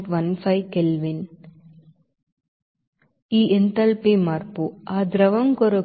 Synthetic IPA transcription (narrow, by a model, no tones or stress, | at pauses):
ʈʋɐnfɐjkelʋin | iːʔent̪ɐlpeːmaːɾpuaːd̪ɾɐʋɐŋkɔɾo